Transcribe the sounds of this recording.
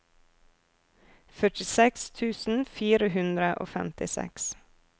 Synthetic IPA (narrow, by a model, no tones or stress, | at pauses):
fœʈɪsɛkst̪ʰʉːsn̩fiːɾəhʉnd̪ɾəʔo̰ːfɛ̰mt̪ɪsɛ̰ks